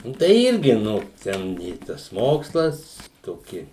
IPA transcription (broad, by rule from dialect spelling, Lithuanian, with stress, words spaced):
ˈnʊ tɐɪ ˈɪrʲɡʲɪ ˈnʊ ˈtʲɛn ɪ ˈtɐs ˈmoːkslˠɐs toːˈkʲɪ